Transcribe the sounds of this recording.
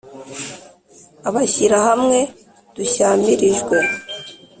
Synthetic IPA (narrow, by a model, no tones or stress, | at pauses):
aβaçiɾahamŋe̞ | d̥uçaːmiɾiʒɡwe